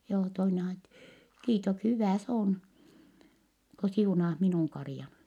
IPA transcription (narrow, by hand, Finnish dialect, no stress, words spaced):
joː toine ɑjɑt kiːtok hyʋæˑ s oːn ko siunɑːh minuˑŋ kɑrĭjɑn